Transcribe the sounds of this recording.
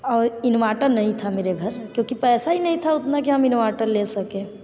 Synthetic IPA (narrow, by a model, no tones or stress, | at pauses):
ɔːɾinʋaʈəɾnəɦĩt̪ʰameɾeɡʱəɾkjõkipɛːsainəɦĩt̪ʰaʊt̪nakiɦəminʋaʈəɾlesəkẽ